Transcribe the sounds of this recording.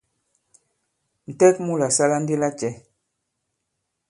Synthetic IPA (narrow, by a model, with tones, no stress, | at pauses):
n̩˨tɛ˦kmu˦la˨sa˦la˦n̩˦di˦la˦t͡ʃɛ˨˦